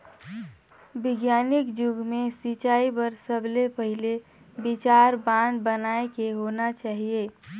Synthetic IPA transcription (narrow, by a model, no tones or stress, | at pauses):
bɪɡjaːnɪkd͡ʒʊɡmẽsit͡ʃaːibəɾsəblepəɦɪle | bɪt͡ʃaːɾbãːnd̪bənaːekeɦonat͡ʃaːɦieː